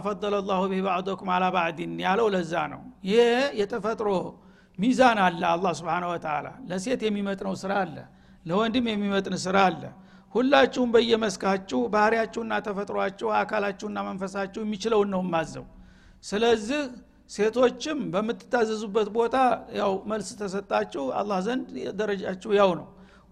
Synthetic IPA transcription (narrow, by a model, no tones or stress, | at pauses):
fɑd̪ˤːɑlalˤːɑhubɪhbaʕd̪okmalabaʕd̪injaləwləzːa̰nə̰wjɪhejɛt̪ʰəfət̪ʼɾo̞ | mizanalːəalˤːɑhsubħanəhwɔt̪ʰəʕa̰la̰ləse̞t̪jɛmːimət̪ʼnəwsɨɾalːə̰ | ləwɔnd̪ɨmjɛmːimət̪ʼnəsɨɾalːə̰ | hulːat͡ʃːɛwʊmbəjːɛməskʰat͡ʃːɛwbahɾijat͡ʃːɛwɨnːat̪ʰəfət̪ʼɾoat͡ʃːɛhakʰalat͡ʃːɛwɨnːamənfəsat͡ʃːɛwjɛmːit͡ʃɪləwnːəwjmːazːə̰w | sɨləzːɪh | se̞t̪ʰo̞t͡ʃːɪmbəmːɨt̪ːɨ̥t̪ːazːəzubːət̪bo̞t̪ʰajawməlst̪ʰəsət̪ʼːat͡ʃːɛwa̰lˤːɑhzənd̪d̪əɾəd͡ʒat͡ʃːɛwjawnə̰w